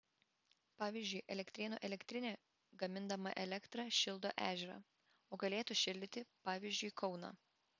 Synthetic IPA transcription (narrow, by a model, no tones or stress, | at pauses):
pɑːʋʲizʲd͡ʒʲʊɪʔɛlʲɛkt̪ʲɾʲɪːnṵʔɛlʲɛkt̪ʲɾʲɪnʲɛː | ɡɐmʲɪnd̪ɐmɐ̰ʔɛlʲɛkt̪ɾɑʃʲɪlˠd̪o̰ːʔæːʒʲɛɾɑ̰ː | oːɡɐlʲeːt̪ʊʃʲɪlʲd̪ʲɪt̪ʲɪpɑːʋʲiːzʲd͡ʒʲʊɪkʰɒʊnɑ̰ː